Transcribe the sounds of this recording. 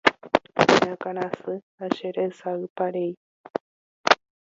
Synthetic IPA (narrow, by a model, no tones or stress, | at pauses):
ɲakaɾ̃ãsɨ | aʃeɾeɨsaɨpaɾej